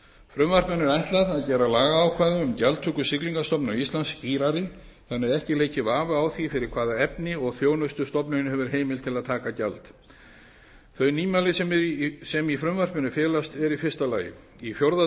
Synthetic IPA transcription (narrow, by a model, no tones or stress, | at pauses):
fɾʏmvar̥pnʏnːɛɾajht̪laðaðcɛːɾalaːɣaːwkʰvaːjðʏʏmcalt̪ʰːʏːkʏsɪkliŋkast̪ɔpnaist̪lansːt̪iːɾaɾɪ | θanːɪðɛhcɪleːjcɪvaːvʏawθifɪɾɪɾ̥kʰv̥aːðaɛpnɪɔɣθjoːwnʏst̪ʏst̪ɔpnʏnɪhɛvʏɾ̥ɦeːjmɪlt̪ʰɪlaðt̪ʰaːkaca̰lt̪ | θœɥniːmalɪssɛmifɾʏmvar̥pmɪnʏfjɛːlast̪ɛɾifɪr̥st̪alaːjɪ̰ | ifjowɾða